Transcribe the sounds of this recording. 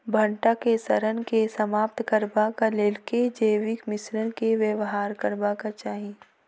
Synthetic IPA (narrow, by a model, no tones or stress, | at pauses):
bʱə̃ɳʈakesɐɾənkesəmaːp̚t̪kəɾbakaleːlked͡ʒeːʋɪkmɪsɾənkeʋeʋɦaːɾkəɾbakat͡ʃaːɦi